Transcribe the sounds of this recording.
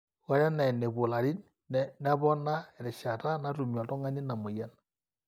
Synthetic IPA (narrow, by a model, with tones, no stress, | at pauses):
wa˨˦ɾa˦na˨ne˨βo˨la˨ɾi˦n | na˦βɔ˦na˦e˨ɾɛ˨ʃa˨ta˦na˦tu˨ɲwa˨tɔ˦ŋa˦ni˦na˨mo˨ja˦na